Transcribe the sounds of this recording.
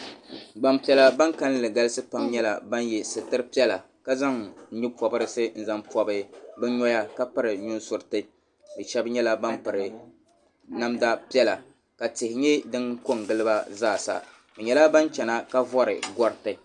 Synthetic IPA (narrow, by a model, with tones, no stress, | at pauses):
ɡ͡ba˨mpi˨ɛ˦la˦ba˦ŋka˦n˦lɨ˨ɡa˦lɨ˦sɨ˦pa˦mɲɛ˦la˨ba˦njɛ˨sɨ˨tɨ˦ɾpi˦ɛ˦la˨ | ka˦za˦ŋɲu˦pɔ˨bɨ˦ɾɨ˦sɨ˦n̩˨za˦mpɔ˨bɨ˦bɨ˦ɲɔ˦ja˦ka˦pɨ˦ɾɨ˨ɲu˦nsʊ˨ɾɨ˨tɨ˦ | dɨ˨ʃɛ˦bɲɛ˦la˦ba˦mpɨ˨ɾɨ˨ | na˦mda˦pi˦ɛ˦la˨ | ka˨tɪ˨hɪ˨ɲɛ˦dɨ˦ŋko˦ŋ˨ɡɨ˦lɨ˦ba˦zaː˦˨sa̰˨ | bɨ˨ɲɛ˨la˦ba˦n˦t͡ʃɛ˨na˦ka˦vɔ˦ɾɨ̰˨ɡɔ˦ɾɨ˦tɨ˨